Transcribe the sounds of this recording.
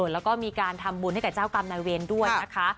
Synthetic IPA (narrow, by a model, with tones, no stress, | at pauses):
t̪lɛ˦˥wkɔː˥˩miː˧kaː˧nt̪ʰa˧mbu˧nha˥˩jka˨˩t͡ɕaː˥˩wka˧mnaː˧jweː˧ndu˥˩əjna˦˥kʰa˦˥